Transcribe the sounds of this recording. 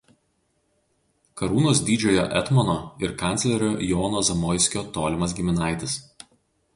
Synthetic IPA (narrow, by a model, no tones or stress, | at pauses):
kɐɾuːnoːsd̪ʲiːd͡ʒʲoːjo̰ʔɛ̰t̪mɔnoɪɾkɐˑnʲt̪sʲlʲɛɾʲojɔːnoːzɐmɔɪsʲkʲoɔːt̪oːlʲɪmɐsɡʲɪmʲɪnɑɪt̪ʲɪs